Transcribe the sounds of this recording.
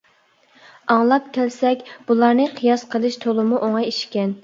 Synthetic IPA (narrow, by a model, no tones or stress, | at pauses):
ɑŋlˠɑpkʲʰɛlsɛkʲb̥ulˠɑɾnɨqʰijɑsqʰəlˠɨʃt̪ʰolˠɨmuʔoŋɑjeʃkʲɛn